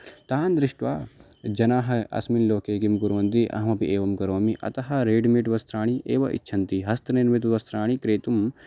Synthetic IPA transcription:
t̪aːnd̪ɾɪʂʈʋaː | d͡ʒɐnaːɦɐɐ̰sminloːkeːkimɡuɾuʋɐnd̪iʔɐ̰ɦɐmɐpiʔeːʋɐmkɐɾoːmiʔɐ̰t̪ɐɦɐ̆ɾeːɖmiʈʋɐst̪ɾaːɳ̃iʔeːʋɐʔḭtːʃʰɐnt̪iɦɐst̪ɐniɾmit̪ʋɐst̪ɾaːɳ̃ikɾeːt̪um

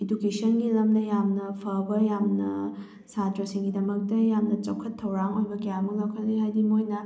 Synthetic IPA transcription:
edukesʰɐnɡilɐmnɐjamnɐpʰɐbɐjamnɐ | satɾɐsiŋɡidɐmɐk̚tɐjamnɐt͡ʃɐwkʰːɐtʰːɐwɾaŋojbɐkɐjamɐŋlawkʰɐtliɦajdimojnɐ

